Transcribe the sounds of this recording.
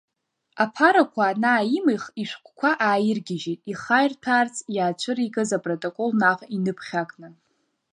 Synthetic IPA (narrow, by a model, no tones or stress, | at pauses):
apʰaɾakʷʰanaːimɨjχiʃʷkʷʼkʷʰaʔaːjɪrɡʲɪʒitʼiχajrtʰaːrt͡sʼjaːt͡ʃʷʰɨɾiɡɨzapʼrotʼokʼo̞lnaʁʼinɨpʰχʲakʼnɨ